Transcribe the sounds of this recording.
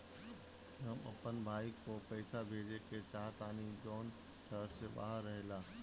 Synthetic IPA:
əmɐ̰pənbʱaːikoːpɐːsabʱeːd͡ʑekʰet͡ɕaːɦt̪aːnid͡ʑɔːn | sɐseɓa̰ːɦəɾːɐɦelaː

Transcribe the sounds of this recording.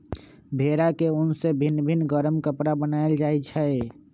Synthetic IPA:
bʱeɾakeunsebʱinːbʱinːɡəɾəmkəpɾabənaeld͡ʒajt͡ʃʰə

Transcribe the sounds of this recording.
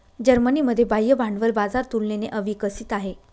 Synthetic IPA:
d͡ʑəɾməniməd̪ʱːjebajːəbʱaɳɖʋəɾbad͡zaɾt̪ulneneʔəʋikəsiːt̪aɦe

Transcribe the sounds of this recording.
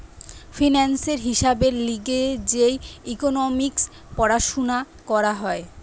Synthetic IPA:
fʰinanseɾɦiʃabeɾliɡed͡ʑejikonomiks | pɔɾaʃona | kɔɾaɦɔe

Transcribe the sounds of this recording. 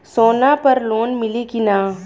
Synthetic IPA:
soːnapɐɾloːnmɪlikinaː

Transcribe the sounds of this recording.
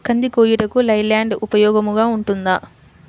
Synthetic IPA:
kʰɐnd̪ikoːjiʈɐkulɐjlaːɳɖupɐjɔːɡɐmuɡaːuɳʈund̪ɐ

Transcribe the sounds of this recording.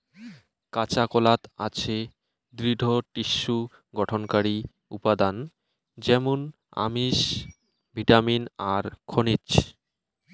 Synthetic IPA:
kat͡ɕakolat̪at͡ɕʰe | d̪ɾid̪ʱoʈiʃːu | ɡɔʈʰonkaɾi | ṵpad̪an | d͡ʑɛmon | a̰miʃ | bʱiʈaminaɾkʰonit͡ɕ

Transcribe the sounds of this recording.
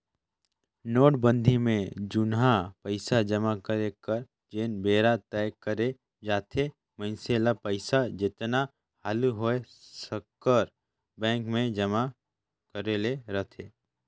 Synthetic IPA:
noːʈ̚bə̃nd̪ʱimẽd͡ʒʊnɦapəɪsad͡ʒəmakəɾekəɾ | d͡ʒeːnbeːɾat̪ɛːkəɾe | d͡ʒaːt̪ʰe | mə̃nselapəɪsad͡ʒɪt̪na | haːluɦoe | səkːəɾ | bɛ̃ːŋkmẽd͡ʒəma | kəɾeleɾət̪ʰeː

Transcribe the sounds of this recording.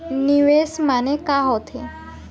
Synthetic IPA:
niʋesmanekaɦot̪ʰe

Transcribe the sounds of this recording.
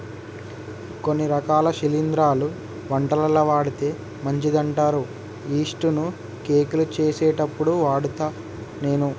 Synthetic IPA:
konːiɾɐkaːlɐʃilind̪ɾaːlu | ʋɐɳʈɐlɐlɐʋaːɽit̪e̞ː | mɐɲt͡ʃid̪ɐɳʈaːɾu | iːʂʈunu | ke̞ːkilut͡ʃeːsɛːʈɐpːuɽuʋaːɽut̪aː | ne̞ːnu

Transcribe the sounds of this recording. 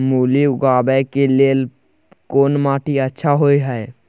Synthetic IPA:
muːliʊɡaːbɛkeleːl | koːnmaːʈʰiətːʃʰaɦoːiɦɛe

